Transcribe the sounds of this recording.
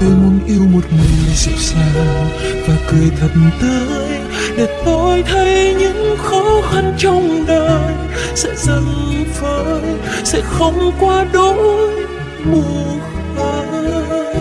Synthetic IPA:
t̪o˧jmu˨˦ənʔi˧əwmo˨˩t̚mi˨˩ŋzɛ̰˧˥saː˧ | vaː˨˩kɨ˨˩jt̪ʰə˨˩t̚m̩t̪ɨ˧ | j | ɗe˨˩t̪o˧jt̪ʰə˧jɲɨ̰˧˥ŋxɔ˨˦xa˧nt͡ɕɔ˧wŋ͡mɗəː˧j | sɛ̰˧˥zə˧˩ŋvəː˨˦j | sɛ̰˧˥xə˧wŋ͡mkwaː˧ɗo˧˦ | ɓu˨˩ət̚ | ə˧˨˩

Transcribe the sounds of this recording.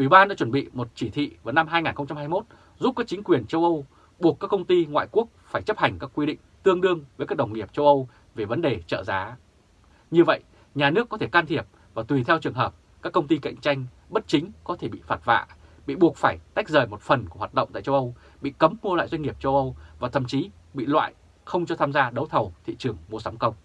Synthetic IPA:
ʔwi˧˩ɓaː˧nɗa̰˧˥t͡ɕwə˧˩nɓḭ˧˨mo˨˩t̚t͡ɕi˧˩t̪ʰḭ˧˨vaː˨˩˦na˧mɦaː˧jŋaː˨˩nxə˧ŋ͡mt͡ɕa˧mhaː˧jmo˦˥t̚ | zu˦˥p̚kaː˦˥k̚t͡ɕï˨˦ŋ̟kwi˨˩ənt͡ɕə˧wʔə˧w | ɓu˨˩əkːaː˦˥kːə˧wŋ͡mt̪i˧ŋwa̰ː˧˨jku˦˥ək̚faː˧˩jt͡ɕə˦˥p̚ha˨˩ŋ̟kaː˦˥kːwi˧ɗḭ˧˨ŋ̟t̪ɨ˧əŋɗɨ˧əŋvəː˨˦jkaː˦˥k̚ɗə˨˩wŋ͡mŋi˨˩əp̚t͡ɕə˧wʔə˧w | ve˨˩və˨˦nɗe˨˩t͡ɕə̰ː˧˨zaː˨˦ | ɲɨ˧və̰˧˨jʔ | ɲaː˨˩nɨ˦˥ək̪ːʰe˧˩kaː˧nt̪ʰi˧˩əp̚ | vaː˨˩t̪wi˨˩t̪ʰɛ˧wt͡ɕɨ˨˩əŋɦəː˨˩p̚ | kaː˦˥kːə˧wŋ͡mt̪i˧ka̰˧˨ŋ̟t͡ɕa˧jŋ̟ | ɓə˦˥t̚t͡ɕï˨˦ŋ̟kɔ˨˦t̪ʰe˧˩ɓḭ˧˨faː˨˦˥t̚va̰ː˧˨ɓḭ˧˨ɓu˨˩ək̚faː˧˩jt̪a˦˥jk̟̚zəː˨˩jmo˨˩t̚fə˨˩nku˧˩waː˨˩t̚ɗə̰˧˨ŋ͡mt̪a̰ː˧˨jt͡ɕə˧wʔə˧w | ɓḭ˧˨kə˨˦mːu˧la̰ː˧˨jzwa˧jŋ̟ŋi˨˩əp̚t͡ɕə˧wʔə˧wvaː˨˩t̪ʰə̰˧˨mt͡ɕi˨˦ | ɓḭ˧˨lwa̰ː˧˨j | xə˧wŋ͡mt͡ɕɔ˧t̪ʰaː˧mzaː˧ɗə˨˦wt̪ʰə˨˩wt̪ʰḭ˧˨t͡ɕɨ˨˩əŋmu˧əsa˨˦mkə˧wŋ͡m

